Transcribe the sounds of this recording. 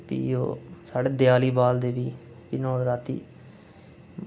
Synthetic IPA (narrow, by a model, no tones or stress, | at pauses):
pḭːo̰ːsaːɖeːd̪ɪjaːliːbaːld̪eːʋiː | pɪnõːɾaːt̪ḭː